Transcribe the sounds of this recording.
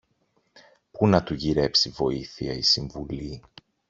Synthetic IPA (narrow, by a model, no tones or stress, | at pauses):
punɐt̪uʝiɾe̞psivo̞iθiɐisiɱvuli